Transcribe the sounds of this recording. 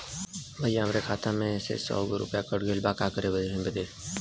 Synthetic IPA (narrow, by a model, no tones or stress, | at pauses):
bʱəjjaɦəmɾekʰaːt̪ʰãmẽsḛsɔ̰ːɡɾʊ̰pjakəɽɡʱelbaːkaːkəɾebəd̪eɦɪ̃bəd̪eː